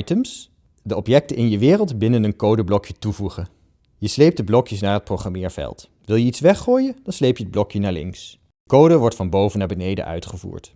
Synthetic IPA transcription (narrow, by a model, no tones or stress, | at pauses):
jtəms | dəɔpjɛk̚təɪnjəʋɪːrəlˠtbɪnənənkowdəblɔkjətuvuχə | jəslejp̚dəblɔkjəsnaːɹɦət̚prowχamɪːɹv̥ɛ̰lˠt | ʋɪlˠjəitsʋɛχoːjədɑnslejpjəəd̚blɔkjənaːɹlɪ̰ŋks | əkowdəʋɔɹtfɑnbowvənːaːbənejdə̰ʔœ̰ɥtχəvṵːɹt